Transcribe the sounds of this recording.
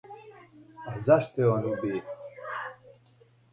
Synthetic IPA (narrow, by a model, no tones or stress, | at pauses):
ɐzɐʂt̪eonubi